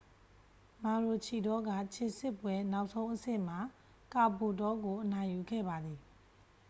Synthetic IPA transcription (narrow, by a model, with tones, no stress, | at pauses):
mã˨ɹo˨t͡ɕʰi˨dɔ˦ɡa̰˦˨t͡ɕʰe˨sɪ˦˨pwɛ˦na˦ʊʔsʰõ˦ʊ̃ʔəsɪ̰̃˦˨m̥a˨ | ka˨po˨tɔ˦ɡo˨ʔənã˨ju˨ɡɛ̰˦˨ba˨d̪i˨